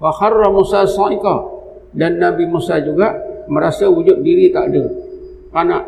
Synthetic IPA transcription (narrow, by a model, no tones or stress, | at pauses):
faxarːamusasɔ̃ʔika | danːabimusad͡ʒuɡaʔməɾasəud͡ʒʊt̪̚diɾit̪aʔdə | kanaʔ